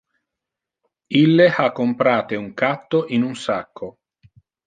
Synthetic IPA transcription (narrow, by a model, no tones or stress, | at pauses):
ilːeakːompɾaːt̪euŋkat̪ːoʔinunsakʰːo